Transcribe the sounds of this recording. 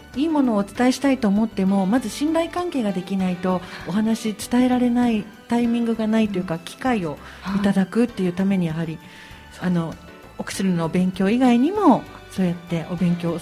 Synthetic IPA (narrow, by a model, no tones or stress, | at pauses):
iːmo̞no̞ːt͡sɨ̥t̪aeɕi̥t̪ait̪o̞ːmo̞t̪ːe̞mo̞mazɨɕĩnɾaikãŋke̞ːɡad̪e̞kʲinait̪o̞oɦanaɕit͡sɨ̥t̪ae̞ɾaɾe̞nai | t̪aimʲĩŋɡɯ̟ɡanait̪o̞jɯ̟kakʲi̥kaio̞ | it̪ad̪akɯ̟t̪ːe̞jɯ̟t̪ame̞ɲ̟ijaɦaɾʲi | ano̞ | okɯ̥ɕɨɾɯnobẽ̞ŋkʲo̞ːiɡaiɲ̟imo̞ | so̞ːjat̪ːe̞ʔobẽ̞ŋk̬ʲo̞ː